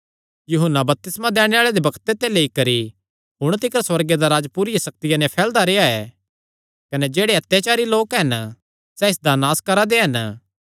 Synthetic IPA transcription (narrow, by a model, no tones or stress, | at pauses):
jʊɦənːabɐp̚t̪ɪsmãd̪ɛːɽ̃eaːɭed̪ebɐkt̪et̪eleikɐɾi | ɦʊɽ̃t̪ɪkəɾswɐɾɡed̪aɾaːd͡ʒpuːɾɪjasɐk̚t̪ɪjanɛpʰɛːld̪aɾeːaɛ̰ː | kɐnɛd͡ʒeːɽeɐt̪jat͡ʃaːɾiloːkɦɐn | sɛɪsd̪anaːskɐɾad̪eɦɐn